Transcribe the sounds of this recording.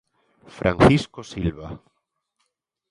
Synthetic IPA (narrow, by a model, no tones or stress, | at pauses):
fɾʔa̰nθiskosilβa